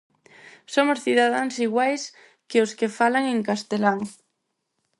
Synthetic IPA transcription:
somosθiðað̞aŋsiɣwajs | keoskefalaŋẽŋkast̪elaŋ

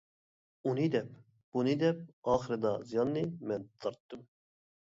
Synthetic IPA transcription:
unid̪ɛp̚ | b̥unɨd̪ɛp̚ɑːχɨɾɨd̪ɑzijɑnːɨmɛnt̪ʰɑɾt̪ːɨm

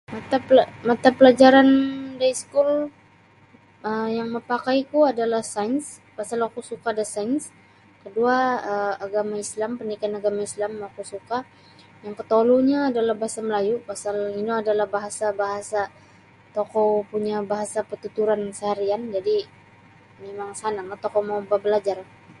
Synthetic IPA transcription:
mat̪apmat̪apəlad͡ʒaɾandajskul | əjaŋməpakajkuadalahsajns | pasalakusukadasajns | kəduaəaɡamaislampənikanaɡamaislamakusuka | jaŋkət̪oluɲaːdalahbaɦasaməlajupasalinuadalahbaɦasabaɦasa | t̪okowpuɲabaɦasapət̪ut̪uɾansəɦaɾiand͡ʒadi | memaŋsanaŋɡat̪okowmawbabəlad͡ʒar

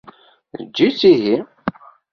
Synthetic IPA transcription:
ðəd͡ʒːit͡sːiɦi

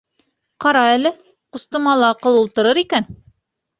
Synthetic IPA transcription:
qɑɾɑælɘ | qust̪ɤ̆mɑlˠɑːqɤ̆lˠulˠt̪ɤ̆ɾɤɾikæn

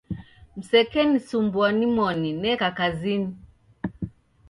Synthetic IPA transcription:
m̩sɛkɛnisumbuanimɔninɛkakazini

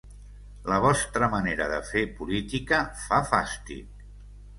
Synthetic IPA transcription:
ləβ̞ɔst̪ɾəməneɾə̰ðə̰fepulit̪ikəfafast̪ḭt̚

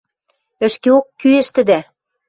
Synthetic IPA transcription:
ɘ̆ʃkeokːyeʃt̪ɘ̆d̪æ

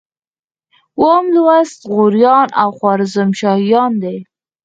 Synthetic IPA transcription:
womlwast̪ɣuɾjɑnʔa̰wχwɑɾɪzamʃɑhjɑnd̪e

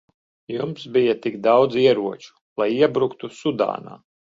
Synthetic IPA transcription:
jumsbijɐt̪ikd̪awd̪ziɛɾuɔt͡ʃu̥ | lˠajiɛbɾukt̪usud̪a̰ːna̰ː

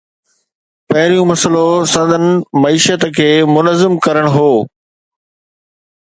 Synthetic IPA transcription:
pɐɦɪɾijũmɐsəlosɐ̃nd̪ʱənɪ̆mɐiːʃət̪kʰeːmʊnəzɪmkɐɾəɽ̃ɦoː

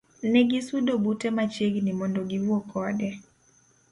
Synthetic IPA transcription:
nɛɡisudɔbutɛmat͡ʃeɡnimɔndoɡiuɔkʰɔdɛ

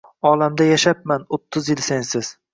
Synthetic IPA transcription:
ɒlamd̪ajaʃap̚manot̪ʰːʊzjɪlsensɪz̥

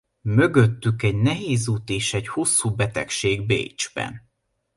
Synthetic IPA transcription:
mø̞ɡøt̪ːykɛɟnɛɦeːzuːt̪eːʃɛɟho̞sːuːbɛt̪ɛkʃeːɡbḛjd͡ʒbɛ̰n

